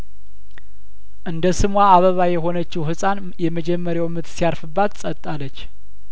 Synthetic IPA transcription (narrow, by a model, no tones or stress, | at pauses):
ʔɨnd̪əsɨmwaaβəβajɛɦo̞nət͡ʃːɪwhɨsʼan | jɛməd͡ʒɛmːəɾjawmɨt̪sijaɾfɨbːat̪sʼət̪ʼːalːət͡ʃː